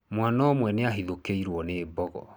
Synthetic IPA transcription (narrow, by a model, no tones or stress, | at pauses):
mwanaomwɛneaɦiðokeiɾwɔneːbɔɣɔ̰